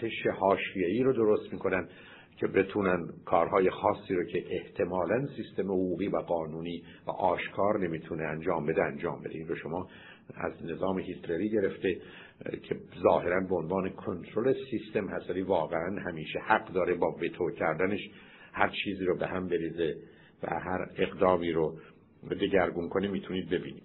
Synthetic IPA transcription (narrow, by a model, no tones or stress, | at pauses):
t̪ʰeʃehɒːʃijeiːɾod̪o̞ɾo̞st̪miːkʰo̞nænd̪ | cʰe̞be̞t̪ʰuːnænkʰɒːɾhɒːjexɒːsːiːɾocʰeʔeht̪ʰe̞mɒːlænsist̪e̞mehoɡuːɣiːvæɡɒːnuːniː | væ̰ʔɒːʃkʰɒːɾne̞miːt̪ʰuneænd͡ʒɒːmbe̞d̪eænd͡ʒɒːmbe̞d̪ḛinroʃo̞mɒː | æ̰znezɒːmehit̪ɾeɾiːɟe̞ɾe̞ft̪e | cʰezɒːhe̞ɾænbeonvɑːnekʰont̪ʰɾolesist̪e̞mhæst̪væliːvɒːɣeænhæmiːʃehæɡd̪ɒːɾebɒːvet̪ʰocʰæɾd̪æneʃ | hæɾt͡ʃʰiːziːɾobehæmbe̞ɾiːze | væ̰ɦæɾe̞ɣd̪ɒːmiːɾo | d̪e̞ɟæɾɡunkʰo̞nimiːt̪ʰuniːd̪̚be̞bḭːniːd̪̥